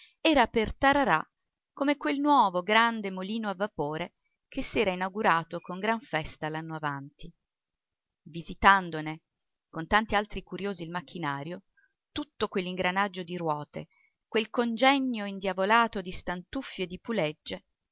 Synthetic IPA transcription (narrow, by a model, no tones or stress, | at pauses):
ɛːɾapert̪aɾaɾa | komekwelnwɔːvoɡɾand̪emoliːnoavːapoːɾe | kesːɛːɾainawɡuɾaːt̪okoŋɡɾaɱfɛst̪alanːoavant̪i | vizit̪and̪one | kont̪ant̪ialt̪ɾikuɾjoːziːlmak̟ːinaːɾjo | t̪ut̪ːokwelːiŋɡɾanad͡ʒːod̪iɾwɔːt̪ḛ | kwelkond͡ʒɛnːjoind̪javolaːt̪od̪ist̪ant̪ufːjoed̪ipuled͡ʒːe